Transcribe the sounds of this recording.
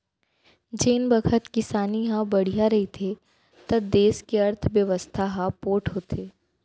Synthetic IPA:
d͡ʒeːnbɐkʰət̪kɪsaːniɦãbɐɽ̤ijaɾɐɦit̪ʰe | t̪ɐb̚d̪eːskeɐɾt̪ʰʋjɐʋəst̪ʰaɦãpoːʈɦoːt̪ʰeː

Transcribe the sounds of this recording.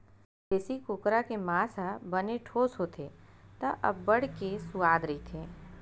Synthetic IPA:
d͡ʒɛːsikʊkɾakemaːsabɐneʈʰoːsɦoːt̪ʰeːt̪ɐʔɐ̰bːɐɽ̤kesʊaːd̪ɾɐit̪ʰẽː

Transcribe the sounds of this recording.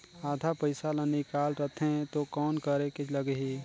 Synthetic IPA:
aːd̪ʱapəɪsalənikaːlɾət̪ʰẽt̪okɔːnkəɾekɪt͡ʃʰləɡɦi

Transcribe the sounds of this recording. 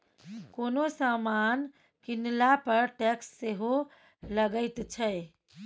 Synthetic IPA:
konosaman | kinlapəɾʈɛksːeɦo | ləɡəɪt̪t͡ʃʰəj

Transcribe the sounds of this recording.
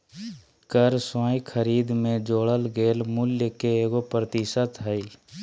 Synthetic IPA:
kəɾsɔ̃ːjkʰəɾiːd̪mẽd͡ʒoːɽəlɡeːlmʊljəkeeːɡopɾət̪ɪsət̪ɦəi

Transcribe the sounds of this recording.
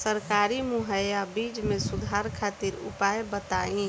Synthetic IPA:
səɾkaːɾimʊɦəjabiːd͡ʒmẽsʊd̪ʱaɾkʰat̪iɾʊ̰paːjbət̪aĩ

